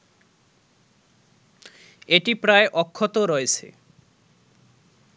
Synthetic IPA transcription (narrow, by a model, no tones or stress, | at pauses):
eʈipɾaeʔɔkʰːot̪oɾɔet͡ɕʰḛ